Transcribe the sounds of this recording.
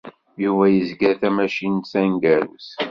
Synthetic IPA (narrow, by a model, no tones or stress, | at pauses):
juvæjəzɡæɾθæmæʃinsænɡæɾṵs